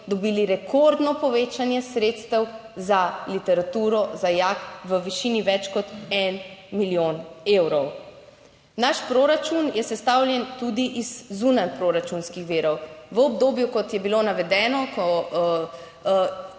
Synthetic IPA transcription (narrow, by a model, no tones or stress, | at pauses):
d̪ɔbiːliɾɛkʰoɾd̪nɔpɔʋeːt͡ʃanjɛsɾeːt̪st̪ɛwzalit̪ɛɾat̪uːɾɔzajakʋəʋiʃiːniʋɛt͡ʃkɔt̪ɛnmiljoːnewɾɔw | naʃpɾoɾat͡ʃunjɛsɛst̪awljɛnt̪ud̪iʔizːunanpɾoɾat͡ʃunskixʋiːɾɔwʋəɔbd̪oːbjukɔt̪jɛbilonaʋɛd̪ɛːnɔkɔ